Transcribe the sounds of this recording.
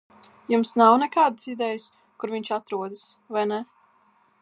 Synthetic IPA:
jumsnawnɛkaːd̪əsid̪ɛjas | kuɾviɲʲt͡ʃat̪ɾuɔd̪əs | vajnɛ

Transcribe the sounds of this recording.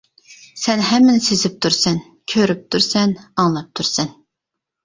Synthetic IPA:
sɛnɦɛmːɪnɪsezɪp̚t̪ʰuɾsɛn | kʲʰøɾyp̚t̪ʰuɾsɛnɑŋlˠɑp̚t̪ʰuɾsɛn

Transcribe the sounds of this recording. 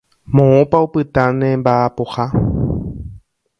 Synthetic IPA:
mõõpaupɨt̪anẽmbapoha

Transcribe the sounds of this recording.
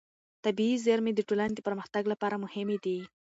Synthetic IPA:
t̪abiːzeɾmed̪əʈolaned̪əpəɾməxt̪aɡlapɑɾamʊhɪmed̪i

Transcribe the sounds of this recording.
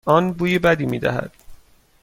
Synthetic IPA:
ɒːnbuːjebæd̪iːmiːd̪æ̰ɦæ̰d̪̥

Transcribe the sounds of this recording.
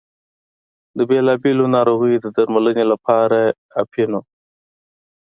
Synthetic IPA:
d̪əbelɑbelonɑɾoɣəjd̪əd̪aɾmalənelapɑɾa | apʰino

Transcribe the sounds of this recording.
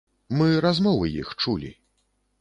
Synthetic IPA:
mɨɾazmɔvɨjḭxt͡ʂulʲḭ

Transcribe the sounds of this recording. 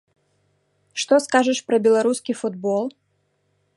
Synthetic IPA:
ʂt̪ɔskaʐɐʂpɾɐbʲɛlˠaɾuskʲifud̪bɔlˠ

